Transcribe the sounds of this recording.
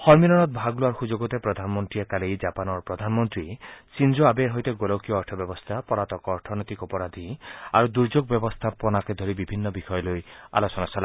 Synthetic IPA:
hɔɾmiɾɔnɔt̪̚bʱaɡloaɾxud͡ʒoɡɔt̪epɾɔd̪ʱanmɔnt̪ɾiakalejd͡ʒapanɔɾpɾɔd̪ʱanɔmɔnt̪ɾisind͡ʒoabeɾɦɔjt̪eɡolɔwkijɔːɾʈʰɔbjɔbɔst̪ʰapɔɾat̪ɔkɔːɾʈʰɔnɔt̪ikɔpɔɾad̪ʱia̰ɾud̪uɾd͡ʒoɡbjɔbɔst̪ʰapɔnaked̪ʱɔɾibibʱinːɔbixʰɔjɔloja̰lɔsɔnasɔla

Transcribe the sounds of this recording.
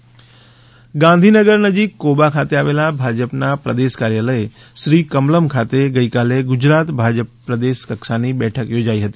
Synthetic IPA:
ɡãnd̪ʱinəɡəɾnəd͡ʒikːobakʰat̪eaʋelabʱad͡ʒəpnapɾəd̪eʃkaɾjaləe | ʃɾikəmləmkʰat̪eɡəikaleɡʊd͡ʒɾat̪bʱad͡ʒəpːɾəd̪eʃkəkʃanibɛʈʰəkjod͡ʒaiɦət̪i

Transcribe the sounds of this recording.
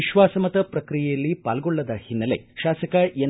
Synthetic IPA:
iʃʋaːsɐmɐt̪ɐpɾɐkɾijɛjɐlːipaːlɡɔɭːɐd̪ɐhinːɐlḛʃaːsɐkɐʔe

